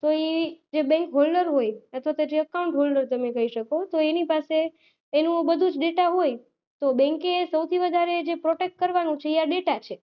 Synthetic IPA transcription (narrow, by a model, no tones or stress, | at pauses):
t̪oed͡ʒebɛ̃ŋkɦolɖəɾɦojət̪ʰʋat̪oed͡ʒeəkauɳʈɦolɖəɾt̪əmekəiʃəkot̪oenipaseː | nũbəd̪ʱũd͡ʒɖeʈaɦoj | t̪obɛ̃ŋkesəwt̪ʰiʋəd̪ʱaɾed͡ʒepɾoʈek̚ʈ̚kəɾʋanũt͡ʃʰeiaɖeʈat͡ʃʰe